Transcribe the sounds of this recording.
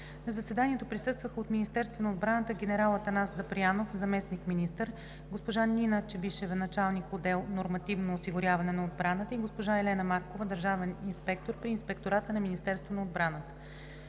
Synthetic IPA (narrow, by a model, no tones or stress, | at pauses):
nɐzɐsɛd̪anʲiɛt̪opɾisɤst̪vəxəot̪minist̪ɛɾst̪vənɐod̪̚bɾanət̪əɡʲɛnɛɾalˠət̪ɐnaszɐpɾianofzɐmɛsnikminist̪əɾ | ɡospoʒaninət͡ʃɛbiʃɛvnɐt͡ʃalˠnikod̪ɛlˠnoɾmɐt̪ivnoːsiɡʊɾʲjavɐnɛnɐod̪̚bɾanət̪əiɡospoʒaɛlɛnəmaɾkovəd̪əɾʒavɛninspɛk̚t̪oɾpɾiːnspɛkt̪oɾat̪ənɐminist̪ɛɾst̪vonɐod̪bɾanət̪ə̥